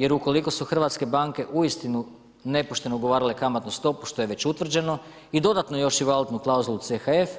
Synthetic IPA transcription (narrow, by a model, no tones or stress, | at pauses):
je̞ɾuko̞liko̞suxr̩ʋat̪ske̞baŋke̞ʔuist̪inu | ne̞poʃt̪e̞noɡo̞ʋaːɾile̞kamat̪nust̪o̞pu̥ʃt̪o̞jeʋe̞t͡ɕut̪ʋr̩d͡ʑe̞no̞ | id̪o̞d̪at̪nojo̞ʃiʋalˠut̪nuklˠauzulˠut̪sexaef